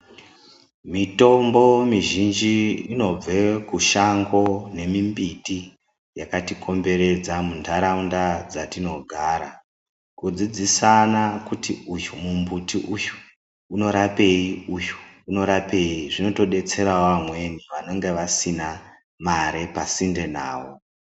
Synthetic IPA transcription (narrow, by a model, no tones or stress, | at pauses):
mito̞mbo̞miʒind͡ʒiino̞b͡vekuʃaŋɡo̞ne̞mimbiti | jakatiko̞mbe̞ɾe̞d͡zamundʱaɾaundad͡zatino̞ɡʱaɾa | kud͡zid͡zisanakutiujumumbutiʔuju̥ | uno̞ɾape̞iuju̥uno̞ɾape̞iʐino̞to̞ɗe̞t͡se̞ɾaoʋamwe̞niʋano̞ŋɡe̞ʋasina | maɾe̞pasinde̞naːwo